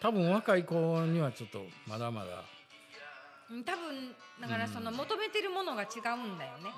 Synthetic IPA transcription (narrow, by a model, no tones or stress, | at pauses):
t̪abɯ̟̃ɰ̃βakaiko̞ːɲ̟iβat͡ɕo̞t̪ːo̞̰mad̪ama̰d̪a̰ | ɯ̃ːt̪abɯ̟̃n | d̪akaɾaso̞no̞mo̞t̪o̞me̞t̪e̞ɾɯ̟mo̞no̞ɡat͡ɕiɡaɯ̟̃nd̪ajo̞ne̞